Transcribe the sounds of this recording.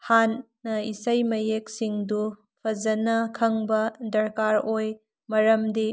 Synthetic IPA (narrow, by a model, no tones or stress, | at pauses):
hanː | ɐisɐjmɐjek̚siŋdu | pʰɐzɐnɐkʰɐŋbɐdɐɾkaɾoj | mɐɾɐmdi